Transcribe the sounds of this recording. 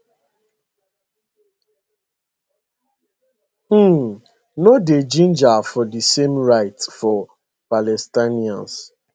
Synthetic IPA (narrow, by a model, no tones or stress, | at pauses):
noded͡ʒĩnd͡ʒafɔdisemɹaɪtfɔ | palɛstaniã̰ns